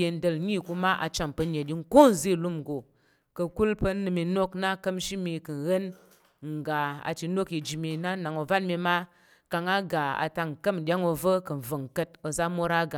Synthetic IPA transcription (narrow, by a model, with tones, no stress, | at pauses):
je˧n̩˦də˧lɲi˦˨ku˧ma˦ʔa̰˨t͡ʃa˨mpə˧ɲe˨ɗʲi˦ŋ̩˦ko˦n˨zi˦˨lu˦m˨ɡo˨ | kə˨˧ku˦lpə˧nːɨ˧mi˧no˦kna˦kə˦m˦ʃi˦mi˧kɨ˨n̩˨ɣə˦n | ŋ̩˨ɡa˨a̰˨t͡ʃi˧no˦ki˧d͡ʒi˨mi˧na˦na˨ŋo˨a˦nmi˧ma˦ | ka˧ŋa˦ɡa˨a̰˨ta˧ŋ̩˨kə˦m˨ɗʲa˦ŋo˧və˦kɨ˨n̩˨və˨ŋ̩˨kə˦t̚o˧za˦mo˦ɾa˦ɡa˨